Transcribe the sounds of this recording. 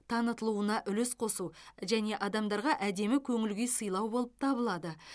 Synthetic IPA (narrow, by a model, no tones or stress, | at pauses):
t̪ʰɑnət̪əlˠuənɑʔʏlɪsqʰo̞suʒæne̞ʔɑd̪ɑmd̪ɑɾʁɑʔæd̪e̞mɪkʲʰɵŋɪlɡʲejsəjlˠɑwbo̞lˠəp̚t̪ʰɑbəlˠɑd̪ə